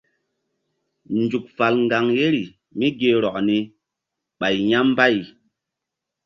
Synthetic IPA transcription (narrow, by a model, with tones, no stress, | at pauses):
n̩˨d͡ʒu˨k̚fa˨lŋ̩˨ɡa˨ŋje˦ɾi˨ | mi˦ɡe˨ɾɔ˨ʔni˨ | ɓa˨jɲa˦m˦ba˦˨j